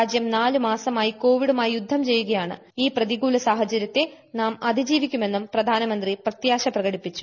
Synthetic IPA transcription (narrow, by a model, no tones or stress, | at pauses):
aːd͡ʑjɐmnaːlumaːsɐmaːjiko̞ːʋiɽumaːjijud̪ʱːɐmt͡ɕe̞jːuɣɐjaːɳɨ̰ | iːprɐðiɡuːlɐsaːɦɐt͡ɕɐɾjɐt̪ːe̞ | naːmɐd̪ʱid͡ʑiːʋikʲːume̞nːumprɐd̪ʱaːnɐmɐnd̪riprɐt̪jaːɕɐprɐɣɐɽipːit͡ɕːu̥